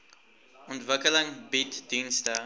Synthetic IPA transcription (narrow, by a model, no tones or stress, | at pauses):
ɔntvəkələŋbitdinstə